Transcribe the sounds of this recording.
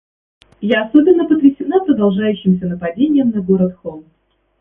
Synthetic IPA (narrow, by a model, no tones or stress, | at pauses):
jaɐso̞bʲɪnːəpət̪ɾʲɪsʲɪnapɾəd̪ɐlˠʐajʉɕːɪms̬ʲənəpɐdʲenʲɪjəmnɐɡo̞ɾət̪xom